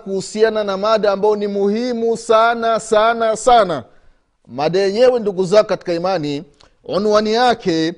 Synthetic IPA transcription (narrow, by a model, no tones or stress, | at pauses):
kuhusiananamaɗaːmbajɔnimuhimusanasanasana | maɗajɛɲɛwɛnduɡuzakɔkati̥kaimani | ɔnuwanijakɛ